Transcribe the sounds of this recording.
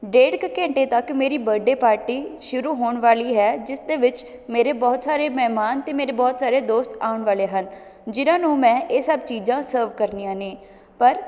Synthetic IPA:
ɖeːɖkkɛ̃ːɳʈeːt̪əkmeːɾiːbəɖeːpaːɾʈiːʃʊɾuːɦoːɳʋaːliːɦɛːd͡ʒɪsd̪eːʋɪt͡ʃ | meːɾeːbɔːt̪saːɾeːmɛːmaːnt̪eːmeːɾeːbɔːt̪saːɾeːd̪oːst̪aːʊɳʋaːleːɦən | d͡ʒɪnãːnũːmɛ̃ːʔeːsəbt͡ʃiːd͡ʒãːsəːɾʋkəɾniãːnẽː | pəɾ

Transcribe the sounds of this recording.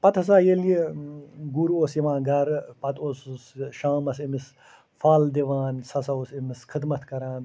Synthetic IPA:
pɐt̪ʰɐsaːjelie | ɡuɾuoːsiʋãːnɡɐɾpɐt̪ʰoːssʃaːmɐsimis | faːld̪iʋaːnsɐsɐoːsimiskʰid̪mɐt̪ʰkɐɾaːn

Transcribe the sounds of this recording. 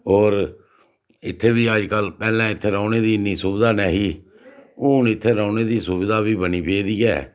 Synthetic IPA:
ɔːɾ | ɪt̪ʰːeːʋiːaːd͡ʒkəlpɛːlɛ̃ːɪt̪ʰːeːɾãːneːd̪iːɪnːiːsʊbd̪aːnɛːɦiː | ʊnɪt̪ʰːeːɾaːneːd̪iːsʊbɪd̪aːʋiːbəniːpeːd̪iːɛ̰ː

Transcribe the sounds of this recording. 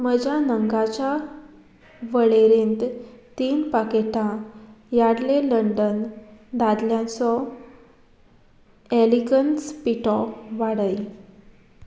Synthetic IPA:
məd͡ʑʱjanəŋɡat͡ɕa | ʋəɭeɾẽnt̪t̪iːnpakeʈãjaɽleləɳɖənd̪ad̪ljãt͡sɔ | elikənspiʈɔʋaɽəj

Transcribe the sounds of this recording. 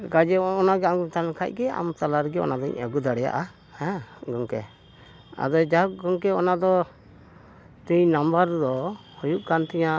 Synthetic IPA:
kad͡ʒɛɔnaɡɛamkt̪alakʰa̰c̚ˀɡɛa̰mt̪alaɾɛɡɛɔ̰nad̪ɔɲəɡud̪aɽɛja̰ʔa | hɛ̃ɡɔŋkɛ | a̰d̪ɔd͡ʒaɡɔŋkɛɔnad̪ɔ | t̪uɲnambəɾd̪ɔhɔjuʔkant̪ɛɲa

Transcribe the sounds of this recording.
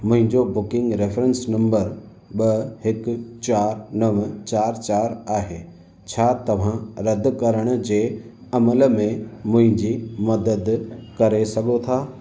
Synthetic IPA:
mʊ̃ɦɪ̃ɲd͡ʑobʊkɪ̃ŋɡɾefɾə̃nsnɐ̃mbəɾ | ɓɐɦɪkʊt͡ɕaːɾnɐʋt͡ɕaːɾt͡ɕaːɾaːɦeː | t͡ɕʰaːt̪ɐʋ̤ãɾɐd̪kɐɾəɽ̃ʊ̆d͡ʑeː | ɐmələmẽmʊ̃ɦɪ̃ɲd͡ʑimɐd̪əd̪kɐɾesɐɡʱot̪ʰaː

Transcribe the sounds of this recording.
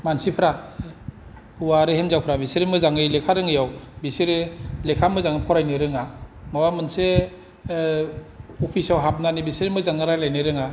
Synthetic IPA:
mansipʰɾa | uwaɾɯhemzawpʰɾabiseɾimɯzaŋɯlekʰaɾɯŋɯjawbiseɾɯlekʰamɯzaŋɯpʰɔɾajnɯɾɯŋamawamɯnse | ɔpʰisawɦap̚nanibiseɾimɯzaŋɯɾalajnɯɾɯŋa

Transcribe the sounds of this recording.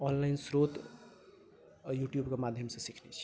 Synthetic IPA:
ɔnlaɪnsɾot̪ | juʈjubkemad̪ʱjəmsẽsikʰnɛt͡ʃʰi̥

